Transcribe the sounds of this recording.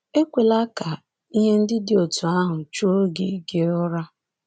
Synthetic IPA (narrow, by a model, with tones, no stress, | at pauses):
e˦kʷe˨la˦ka˨ | i˦ɦe˦n̩˦dɪ˦dɪ˨o˨tu˨a˦ɦʊ˨t͡ʃu˦o˦ɡe˨˦i˦ke˦ɾʊ˦ɾa˦